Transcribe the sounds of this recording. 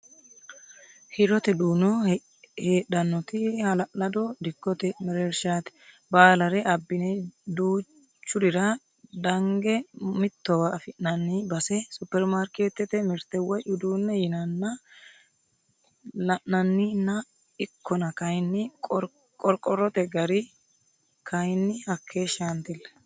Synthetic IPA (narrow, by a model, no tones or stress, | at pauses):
hɪɾɔt̪ɛd̪uːnɔ | heːɗɐnːɔt̪ɪhɐlɐlɐd̪ɔd̪ɪkːɔt̪ɛmɛɾeɾʃaːt̪ɛ̥ | baːlɐɾɛʔɐbːɪnɛd̪uː | t͡ʃːʊdɪɾɐ | d̪ɐŋɡɛmɪt̪ːɔwɐːfɪʔnɐnːɪbɐsɛsʊpːɛɾmaːɾkeːt̪ːɛt̪ɛmɪɾt̪ɛwɐjʔʊd̪uːnːɛjɪnɐnːɐ | lɐʔnɐnːɪnːɐ | ɪkʰːɔnɐkɐjnːɪkʼɔɾ | kʼɔɾkʼɔɾːɔt̪ɛɡɐɾɪ | kʰɐjnːɪhɐkʰːeːʃant̪ɪlːɐ̥